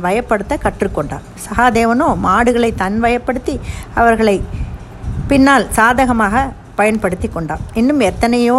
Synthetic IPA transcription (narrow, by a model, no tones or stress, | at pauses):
ʋɐjɐpːɐɽɯt̪ːɐkɐʈrɯkːɔɳɖa̰ːmsɐɣaːd̪eːʋɐnoːmaːɽɯɣɐɭɐɪt̪ɐnʋɐjɐpːɐɽɯt̪ːiɐʋɐɾɣɐɭɐɪ | pɪnːaːlsaːðɐɣɐmaːɣɐ | pɐjɐnpɐɽɯt̪ːikːɔɳɖa̰ːmɪnːɯmɛt̪ːɐnɐjoː